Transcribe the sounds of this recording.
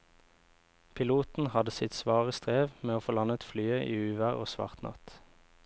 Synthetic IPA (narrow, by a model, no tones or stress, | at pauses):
pʰɪluːt̪n̩hɑd̪əsɪt̪sʋɑːʁəst̪ʁeːʋmeːoːfoːlɑnət̪flyːəʔiːʉːʋæʁoːsʋɑ̰ʁt̪nɑ̰t̪